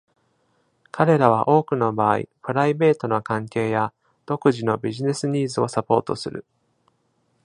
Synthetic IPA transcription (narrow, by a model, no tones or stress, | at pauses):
kʰaɾe̞ɾaβ̞aʔo̞ːkɯ̟no̞baːḭpɯ̟ɾaibe̞ːt̪o̞no̞kãŋke̞ːja | d̪̥o̞kɯ̟ʑino̞bʲiʑine̞sɨɲ̟iːzɨo̞sapo̞ːt̪o̞̰sɨ̰ɾɯ̟̰